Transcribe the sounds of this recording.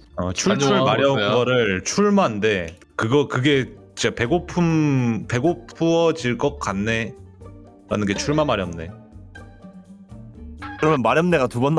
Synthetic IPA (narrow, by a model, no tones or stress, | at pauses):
ʌt͡ɕʰuuɭmaɾjʌuɡʌɾɯɭt͡ɕʰuɭmande̞ | kɯɡʌkɯɡe̞ | id͡ʑepe̞ɡopʰumpe̞ɡopʰuʌd͡ʑiɭk͈ʌk̚k͈anːe̞ | ɾanɯnŋɡe̞t͡ɕʰuɭmamaɾjʌmne̞̰ | kɯɾʌmjʌnmaɾjʌmneɣatubʌn